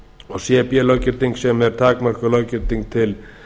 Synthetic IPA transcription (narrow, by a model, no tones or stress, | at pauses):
ɔɣsjɛpjɛlɔwcɪɾt̪iŋksɛmɛɾ̥t̪ʰaːkmœr̥kʏlœwcɪɾt̪iŋk̚t̪ʰɪl